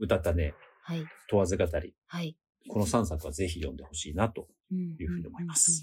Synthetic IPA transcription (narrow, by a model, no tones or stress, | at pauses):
ɯ̟t̪at̪ːanehait̪o̞βazɨɡat̪aɾʲḭ | hai | ko̞no̞sãɰ̃s̬akɯ̟βaze̞çijõ̞nd̪e̞ho̞ɕiːnat̪o̞ | jɯ̟ːɸɯ̟ːɲ̟io̞moimasɨ̥